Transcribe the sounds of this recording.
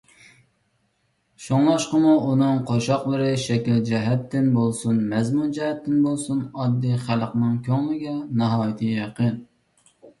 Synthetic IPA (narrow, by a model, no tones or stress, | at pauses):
ʃoŋlˠɑʃqəmuʔunɨŋqʰoʃɑqlˠəɾɨʃɛkʲild͡ʒɛɦɛt̪ːɪnbolˠsunmɛzmund͡ʒɛhɛt̪ːɪnbolˠsunɑd̪ːijχælˠqnɨŋkʲʰøŋlɪɡʲɛnɑɦɑːjɪt̪ʰɨjɑqən